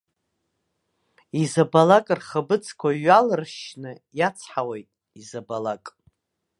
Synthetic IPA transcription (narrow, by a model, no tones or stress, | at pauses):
izabalakʼrχəbɨt͡sʰkʷʰaɥalɨrʃnɨjat͡sʰħawejtʼ | izabalakʼ